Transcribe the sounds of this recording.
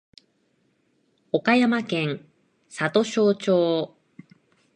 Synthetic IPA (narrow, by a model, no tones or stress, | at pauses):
o̞kajamakẽ̞ŋ | sat̪o̞ɕo̞ːt͡ɕoː